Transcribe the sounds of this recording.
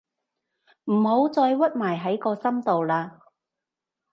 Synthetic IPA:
m̩˨˩ho˨˥wt͡sɔː˧jwɐ˥t̚maː˨˩jɦɐ˨˥jkɔː˧sɐ˥mt̪o˨wlaː˧

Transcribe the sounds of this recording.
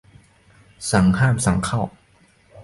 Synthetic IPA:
sa˩˦ŋhaː˥˩msa˩˦ŋkʰa˥˩w

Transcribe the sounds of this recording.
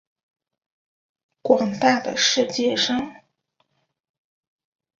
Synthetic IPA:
kwɑ˨˩ŋt̪a˥˩d̪ə̰˩ʂɻ̩˥˧t͡ɕjɛ˥˩ʂɑ˥ŋ

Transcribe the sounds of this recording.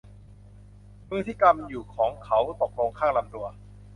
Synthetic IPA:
mɯː˥˩t̪ʰiː˦˥˩ka˧mjuː˨˩kʰɔː˩˦ŋkʰa˦˥wt̪o˨˩k̚lo˧ŋkʰaː˥˩ŋla˧mt̪u˧ɐ

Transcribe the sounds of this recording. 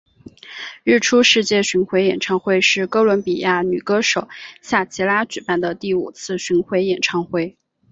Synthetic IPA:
ɻɻ̩˥˩ʈ͡ʂʰu˥ʂɻ̩˥˧t͡ɕjɛ˥˩ɕy˧˥nxwe˧˥ɪjɛ˨˩nʈ͡ʂʰɑ˥ŋxwe˥˧ɪʂɻ̩˥˩ko˥ʊlwə˧˥npi˨˩ja˥˩ny˨˩kɤ˥ʂo˨˩˦ʊɕja˥˩t͡ɕʰi˧˥la˥t͡ɕy˨˩pa˥˩nd̪ə˩t̪i˥˩ṵ˨˩t͡sʰɹ̩˥˩ɕy˧˥nxwe˧˥ɪjɛ˨˩nʈ͡ʂʰɑ˥ŋxwe˥˩ɪ

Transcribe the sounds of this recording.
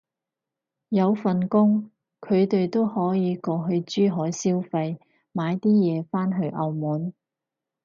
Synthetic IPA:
jɐ˨˧wfɐ˨nkʊ˥ŋ | kʰɵ˨˧ɥt̪e˨jt̪o˥whɔː˨˥jiː˨˧kɔː˧ɦɵ˧ɥt͡ʃyː˥ɦɔː˨˥jsiː˥wfɐ˧j | maː˨˧jt̪iː˥jɛː˨˧faː˥nɦɵ˧ɥʔɐ˨˧wmuː˨˥n

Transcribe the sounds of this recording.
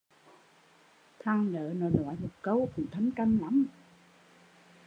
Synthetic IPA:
t̪ʰa˧ŋlə̰ː˧˨nɔ˨˩jlwa̰˧˨jmo˨˩t̚kə˧wku˨˩ŋ͡mt̪ʰə˨˦ŋka˧ŋla˨˦m

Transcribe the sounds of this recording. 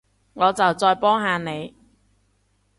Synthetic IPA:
ŋɔː˨˧t͡sɐ˨wt͡sɔː˧jpɔː˥ŋɦaː˨˧ne˨˧j

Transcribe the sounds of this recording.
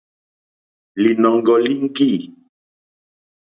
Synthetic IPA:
li˨nɔ˨ŋɡɔ˨li˦ŋ̩˦ki˦˨

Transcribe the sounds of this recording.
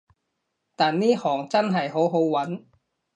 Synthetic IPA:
t̪aː˨nniː˥hɔː˨˩ŋt͡sɐ˥nɦɐ˨˩jɦo˨˥wɦo˨˥wwɐ˨˥n

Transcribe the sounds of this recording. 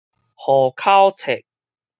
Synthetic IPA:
hɔ˨˩kʰa˦wt͡sʰe˨˩k̚

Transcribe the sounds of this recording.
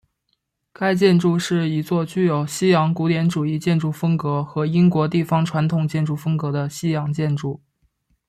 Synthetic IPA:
ka˥ɪt͡ɕjɛ˥˧nʈ͡ʂu˥˧ʂɻ̩˥˩i˧˥t͡swɔ˥˧t͡ɕy˥˩jo˨˩ʊɕi˥jɑ˧˥ŋku˧˥t̪jɛ˧˥nʈ͡ʂu˨˩i˥˧t͡ɕjɛ˥˧nʈ͡ʂu˥˩fɤ˥ŋkɤ˧˥xɤ˧˥i˥ŋkwɔ˧˥t̪̬i˥˩fɑ˥ŋʈ͡ʂʰwa˧˥nt̪ʰʊ˨˩ŋt͡ɕjɛ˥˧nʈ͡ʂu˥˩fɤ˥ŋkɤ˧˥d̪ə˧ɕi˥jɑ˧˥ŋt͡ɕjɛ˥˧nʈ͡ʂu˥˩

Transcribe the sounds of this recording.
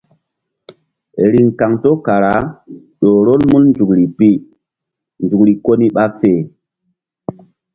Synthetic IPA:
ɾi˨ŋka˨ŋto˦ka˨ɾa˦ | ɗo˨ɾo˦lmu˦lnd͡zu˨kɾi˨pi˦ | nd͡zu˨kɾi˨ko˦ni˦ɓa˦feː˦˨

